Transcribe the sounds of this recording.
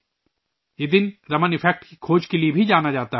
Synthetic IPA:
jed̪ɪnɾɐmənɪfʰɛk̚ʈkikʰoːd͡ʒkeliebʱid͡ʒaːnad͡ʒaːt̪aɦ

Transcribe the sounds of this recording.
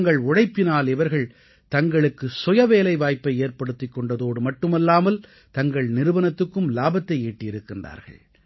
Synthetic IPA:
ŋɡɐɭʊɽɐɪpːɪnaːlɪʋɐɾɣɐɭ | t̪ɐŋɡɐɭɯkːɯsʊjɐʋeːlɐɪʋaːjpːɐɪeːɾpɐɽɯt̪ːɪkːɔɳɖɐðoːɽɯmɐʈːɯmɛlːaːmɐl | t̪ɐŋɡɐɭnɪɾɯʋɐnɐt̪ːɯkːɯmlaːbɐt̪ːɐɪeːʈːɪjɪɾɯkːɪndra̰ːɾɣɐ̰ɭ

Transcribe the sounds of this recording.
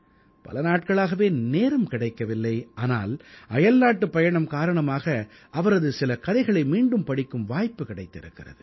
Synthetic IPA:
pɐ̰lɐnaːʈ̚kɐɭaːɣɐʋeːneːɾɯmkɪɽɐɪkːɐʋɪlːɐɪaːna̰ːlɐjɐlnaːʈːɯpːɐjɐɳɐmkaːɾɐɳɐmaːɣɐ | ʔɐʋɐɾɐðɯsɪlɐkɐðɐɪɣɐɭɐɪmiːɳɖɯmpɐɽɪkːɯmʋaːjpːɯkɪɽɐɪt̪ːɪɾɯ̰kːɪrɐ̰ðɯ

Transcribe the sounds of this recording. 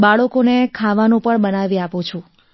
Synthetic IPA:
baɭokonekʰaʋanũpəɳbənaʋiaput͡ʃʰũ

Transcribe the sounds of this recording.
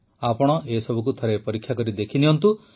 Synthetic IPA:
apɔɽ̃ɔʔesɔbʱukut̪ʰɔɾepɔɾikʰːjakɔɾid̪ekʰiniɔnt̪u

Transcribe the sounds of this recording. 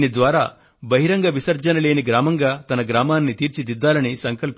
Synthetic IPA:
nid̪ʋaːɾaː | bɐɦiɾɐŋɡɐʋisɐɾd͡ʒɐnɐle̞ːniɡɾaːmɐŋɡaːt̪ɐnɐɡɾaːmaːnːit̪iːɾt͡ʃid̪id̪ːaːlɐnisɐŋkɐlp

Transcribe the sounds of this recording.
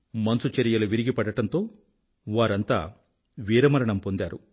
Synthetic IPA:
mɐnsut͡ʃɐɾijɐluʋiɾiɡipɐɽɐʈɐnt̪o̞ː | ʋaːɾɐnt̪a̰ː | ʋiːɾɐmɐɾɐɳɐmpo̞nd̪aːɾu

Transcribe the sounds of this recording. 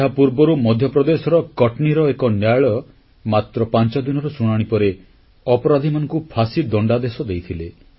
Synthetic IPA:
eɦapuɾbɔɾumɔd̪ʱjɔpɾɔd̪esɔɾɔkɔʈniɾɔekɔnjaɭɔ | mat̪ɾɔpant͡ʃɔd̪inɔɾɔsuɽ̃aɽ̃ipɔɾe | ɔpɔɾad̪ʱimanɔ̃ŋkupʰasid̪ɔɳɖad̪esɔd̪ejt̪ʰile

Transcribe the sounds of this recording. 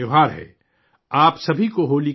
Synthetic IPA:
eɦaːɾɦɛ̰ː | aːpsɐbʱikoɦoːli

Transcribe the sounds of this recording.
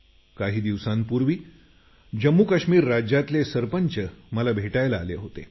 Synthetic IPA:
kaɦiːd̪iʋsanpuɾʋiː | d͡ʑəmːukaɕmiːɾːad͡ʑjat̪lesəɾpəɲt͡ɕəməlabʱeʈajlaːleɦot̪ḛ

